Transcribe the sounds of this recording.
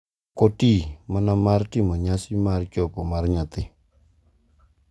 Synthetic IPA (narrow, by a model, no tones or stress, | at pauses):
kotimanamartɪmɔɲasɪmart͡ʃɔpɔmarɲat̪ɪ